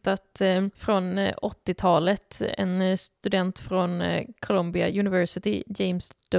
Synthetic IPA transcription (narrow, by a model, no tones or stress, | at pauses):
t̪at̪fɾɔnɔt̪ːɪt̪ʰɑːlət̪ɛ̰nst̪ɵd̪ɛnt̪fɾɔnkʰʊlɔmbɪa̰jʉnɪvɛɾʂɪt̪ɪjɛmsd̪̥